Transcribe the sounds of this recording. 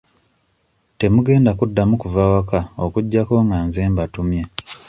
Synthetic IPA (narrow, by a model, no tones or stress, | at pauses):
te̞muɡe̞ːndakudːamukuvawakaokuɟːako̞ŋɡaːnzeːmbatumje